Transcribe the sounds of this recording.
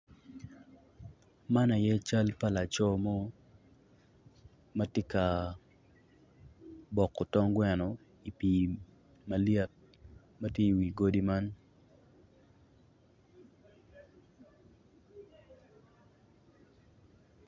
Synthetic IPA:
ma˦na˨jɛ˦t͡ʃa˦lpa˦la˨t͡ʃɔ˦mɔ˦ | ma˦tje˦ka˨ | bɔ˨kːɔ˨tɔ˦ŋɡwɛ˨nɔ˨ | i˨pi˨ | ma˨ljɛ˦t̚ | ma˦tje˦i˨wi˨ɡo˦di˦ma˦n

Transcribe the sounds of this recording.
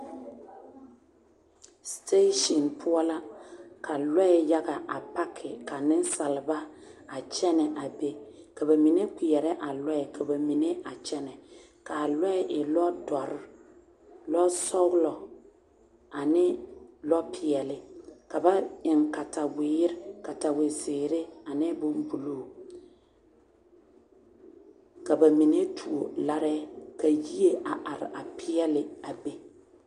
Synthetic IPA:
ste˦ʃɔ˨npʰʊ˦ɔ˦la˦kʰa˨lɔ˦ɛ˨ja˦ɡa˨ʔa˨pa˦kʰɪ˨ka˨nɪ˦n˦sa˨lɪ˨ba˦a˨t͡ʃɛ˦nɛ˨ʔa˨be˦ | ka˨ba˨mi˨ne˦ki˨jɛ˨ɾɛ˦ʔa˨lɔ˦ɛ˨kʰa˨ba˨mi˨ne˦a˨t͡ʃɛ˦nɛ˨ | ka˨lɔ˦ɛ˨ʔɪ˨lɔ˦dɔ˨ɾɪ˦ | lɔ˦sɔ˦ɣʊ˦lɔ˨ | a˨nɪ˦lɔ˦pʰɪ˨ɛ˨lɪ˦ka˨ba˦ɪ˨ŋka˨ta˨wɪ˨jɪ˦ɾɪ˦ka˨ta˨wɪ˨sɪː˨ɾɪ˦a˨nɪ˦bʊ˦m˦bu˨loː˦˨ | ka˨ba˨mi˨ne˦tʰu˨o˨la˦ɾɛ˦ka˨ji˦e˦ʔa˨ʔa˨ɾɪ̰˨a˨pɪ˦ɛ˦lɪ˨a˨be˦

